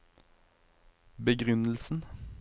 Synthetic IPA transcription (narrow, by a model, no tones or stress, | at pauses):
bəɡʁʉnəl̩sn̩